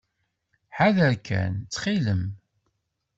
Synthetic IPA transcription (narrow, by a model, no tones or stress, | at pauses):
ħaðəɾkʰæ̰nt͡sːχiləm